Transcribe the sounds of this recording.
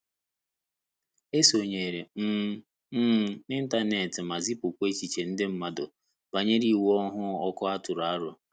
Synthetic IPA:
e˦so˨ɲe˨ɾe˨m̩˦ | m̩˦ɪ˦n̩˦ta˦ne˨tɪ˨ma˨zi˦pʊ˨kʷe˦t͡ʃi˨t͡ʃe˨n̩˦dɪ˦m̩˦ma˦dʊ˨ | ba˨ɲe˦ɾi˨wɔ˦ɦʊ˦ɔ˦kʊ˦a˦tʊ˨ɾa˨˦ɾʊ˨

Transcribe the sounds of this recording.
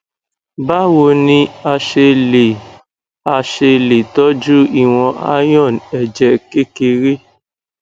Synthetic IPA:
ba˦wo˧nĩ˧a˧ʃe˧le˨ | a˧ʃe˧le˨tɔ˦d͡ʒu˦i˦˨w̃ɔ̃˧ʔa̰˦j̃ɔ̃˦˨nɛ˨d͡ʒɛ˨ke˦ke˧ɾe˦

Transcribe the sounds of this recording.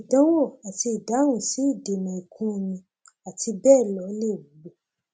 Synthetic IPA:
i˨dɔ̃˨˦wo˦˨a˨ti˧i˨da˨˦ɾũ˦˨si˨˦i˦˨de˨mɔ̃˨i˨kʰũ˦˧mĩ˧ | a˨ti˧bɛ˦˨lɔ˧˦le˦˨bu˨˦bo˨

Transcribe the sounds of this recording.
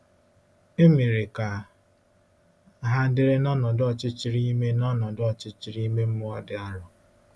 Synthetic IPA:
e˦mi˨ɾe˨ka˨ | ɦa˦dɪ˦ɾɪ˦nɔ˦nɔ˨dɔ˦˨t͡ʃɪ˦t͡ʃi˦ɾi˦me˦nɔ˦nɔ˨dʊ˦ɔ˨t͡ʃɪ˦t͡ʃi˦ɾi˦me˦m̩˦mʊ˦ɔ˦dɪ˦a˦ɾɔ˨

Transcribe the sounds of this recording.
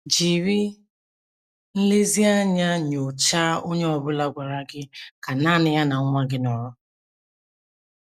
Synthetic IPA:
d͡ʒi˨ɾi˦ | n̩˦le˦zi˦a˦ɲa˦ɲo˨t͡ʃa˦o˦ɲe˦ɔ˨bʊ˦la˦ɡʷa˨ɾa˦ɡɪ˦ka˨na˦˨nɪ˨ja˦na˨˦ŋʷa˦ɡɪ˦nɔ˨ɾɔ˦

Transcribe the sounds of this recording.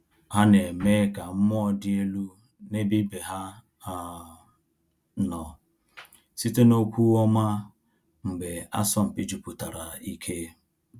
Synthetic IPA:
ha˦ne˨me˦ka˨m̩˦mɔ˦˨dɪ˦e˦lu˦ | ne˦bi˦be˨ɦa˦ | a˨ | nɔ˨ | si˦te˦no˦kʷu˦ɔ˦ma˦ | m̩˨ɡ͡be˨a̰˦sɔ˦m̩˨pi˦d͡ʒu˨pʊ˨ta˨ɾa˨i˦kʰe˦

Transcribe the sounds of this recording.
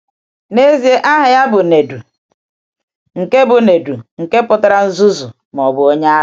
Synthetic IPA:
ne˦zi˨e˦ʔa˦ɦɪ˨ja˦bʊ˨ne˨du˨ | ŋ̩˨ke˦bʊ˨ne˨du˨ŋ̩˨ke˦pʊ˦ta˦ɾa˦n̩˦zu˦zʊ˨ | m˨ɔ˨bʊ˨o˦ɲa˦

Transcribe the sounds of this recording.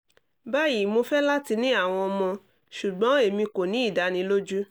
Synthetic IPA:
ba˦ji˨mo˧fɛ˦la˦ti˧nĩ˦a˦˨w̃ɔ̃˧ɔ˧mɔ̃˧ | ʃu˨ɡ͡bɔ̃˨˦e˦˨mĩ˧ko˨nĩ˨˦i˦˨da˧˦nĩ˧˦lo˦d͡ʒu˦

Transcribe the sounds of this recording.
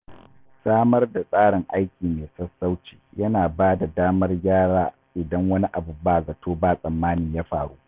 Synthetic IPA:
saː˦mɐ˦rda˨sʼaː˦ɽɪ˨ŋʔa˦jkʲiː˨meː˨sɐ˦sːa˦wt͡ʃi̥ː˨jɐ˦naː˨baː˦da˨daː˦mɐ˦rɡʲaː˦ɽaː˦ | ʔɪ˨dɐ˦ŋwɐ˦ni˦ʔa˨bu˦baː˦˨zɐ˨tʰoː˦baː˦˨sʼɐ˨mːaː˦nɪ˨ɲjaː˦ɸaː˨ɽuː˦ʔ

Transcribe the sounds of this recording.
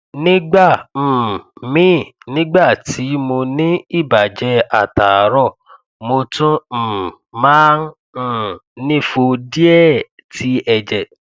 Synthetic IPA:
nĩ˦ɡ͡bã˦˨ | mĩ˦˨nĩ˦ɡ͡ba˦˨ti˨˦mo˧nĩ˦i˦˨ba˨d͡ʒɛ˧˦a˦˨ta˨˦ɾɔ˦˨ | mo˧tũ˦˨ | mãː˦ñ̩˦˨ | nĩ˦fo˧di˦ɛ˦˨ | ti˨˦ɛ˧d͡ʒɛ˨

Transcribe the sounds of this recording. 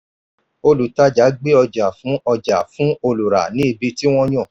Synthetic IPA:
o˦lu˨ta˨˦d͡ʒa˨˦ɡ͡be˦ɔ˧d͡ʒa˨fũ˨˦ɔ˧d͡ʒa̰˨fũ˨˦o˧lu˨ɾa̰˨nĩ˦i˧bi˧ti˦w̃ɔ̃˦j̃ɔ̃˦˨

